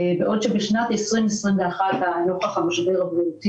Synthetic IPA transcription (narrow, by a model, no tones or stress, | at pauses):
beʔodʃebeʃnat̪esʁimesʁimvɛaχat̪hanoχaχamaʃbeʁabʁiut̪i